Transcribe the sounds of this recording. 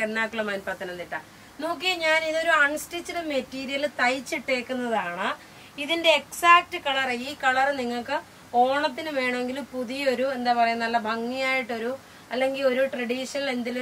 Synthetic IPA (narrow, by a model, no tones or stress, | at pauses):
enːaːkːuɭɐmɐnpɐt̪ːɐnɐnːiʈːɐ̰ | noːkːijɐɲaːniðo̞ɾuɐɳstit͡ɕːiɽemetːiːɾijɐlt̪ɐjt͡ɕːiʈːe̞ːkːunːɐðaːɳɨ | iðinde̞ːksaːk̚tɨkɐɭɐriːkɐɭɐrniŋːɐɭkɨ | o̞ːɳɐt̪̬ːinɨʋe̞ːɳɐme̞ŋɡilumpuðijɐo̞ɾue̞nd̪aːpɐrɐjunːɐlːɐbʱɐŋːijaːjiʈːo̞ɾu | ɐlːe̞ŋɡilo̞ɾuʈrɐɽiːʂɐnɐɭe̞nd̪ilu